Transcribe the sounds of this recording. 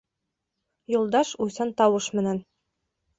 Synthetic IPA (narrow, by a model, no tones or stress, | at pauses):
julˠd̪ɑʃujsɑnt̪ɑwɤʃmɘ̆næn